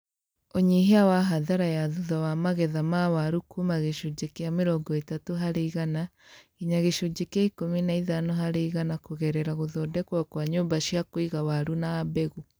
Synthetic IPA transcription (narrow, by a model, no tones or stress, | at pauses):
oɲiɦeawaɦaðaɾajaðuðawamaɣɛðamawaɾukumaɣeʃud͡ʑekeameɾɔːɡɔetatoɦaɾeiɣana | iɲaɣeʃod͡ʑekeaikominaiðanoɦaɾeiɣanakoɣɛɾɛɾaɣoðɔːdɛkwakwaɲoːmbaʃiakoiɣawaɾunaːbɛɣu